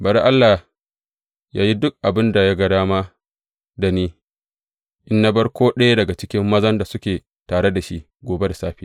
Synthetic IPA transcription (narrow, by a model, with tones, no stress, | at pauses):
bɐ˨ɾʔa˦lːa˨ | ja̰ː˦ji˦dʊ˦k̚ʔa˨bɪ˦nda˨ja˦ɡɐ˨ɽaː˦maː˦ | da˨niː˦ | ʔɪ˦nːa˦bɐ˦ɽkʷoː˦ɗɐ˦ja˦dɐ˨ɡa˨t͡ʃɪ˦kʲɪ˦mːɐ˦zɐ˦nda˨sʊ˦kʲeː˨ | taː˨ɽe˦da˨ʃi˦ | ɡʷoː˨be˦da˨saː˦ɸiː˦